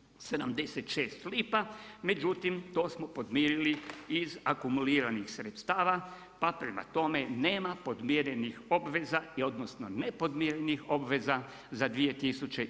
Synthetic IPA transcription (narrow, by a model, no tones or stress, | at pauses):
se̞d̪amd̪eset̪ʃeːst̪liːpame̞d͡ʒut̪imt̪o̞ːsmopo̞d̪miːɾiliizakumuliːɾanixsɾet̪st̪aːʋa | papɾema̰t̪o̞me̞neːmapo̞d̪mjiɾenixo̞bʋe̞zaiod̪nosnonepo̞d̪miɾenixo̞bʋe̞za | zad̪ʋie̞t̪isut͡ʃe